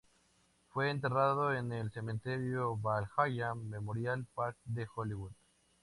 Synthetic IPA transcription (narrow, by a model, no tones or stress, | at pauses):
fweːnt̪e̞raðoenelse̞mẽnt̪eɾjoβalxajamːemoɾjalpaɾk̚d̪exoliβuð